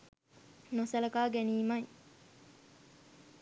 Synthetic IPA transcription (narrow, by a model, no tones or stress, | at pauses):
nosɐlɐkaːɡæniːmɐj